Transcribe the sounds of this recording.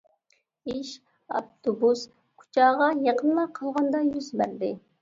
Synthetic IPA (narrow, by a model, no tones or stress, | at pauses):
iʃ | ɑ̰pt̪ʰobus | kʰu̥t͡ʃʰɑːʁɑjɑqənmɑqʰɑlˠʁɑnd̪ɑjyzbæɾd̪ɪ